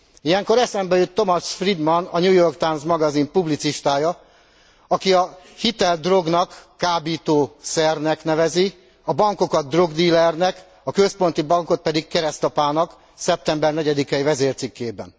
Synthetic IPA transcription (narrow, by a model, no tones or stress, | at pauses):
ijɛŋko̞ɾɛsɛmbɛjøt̪ːo̞mɒʃfrid̪mɒnɒɲuːjo̞rkt̪ajmzmɒɡɒzimpublit̪siʃt̪aːjɒ | ɒkiɒhit̪ɛld̪ro̞ɡnɒkː | aːbiːt̪oːsɛrnɛknɛvɛzi | ɒbɒŋko̞kɒd̪̚d̪ro̞ɡd̪iːlɛrnɛk | ɒkø̞spo̞n̪t̪ibɒŋko̞t̪̚pɛd̪ikkɛɾɛst̪ɒpaːnɒk | sɛp̚t̪ɛmbɛrnɛɟɛd̪ikɛivɛzeːrt̪sikːeːbɛn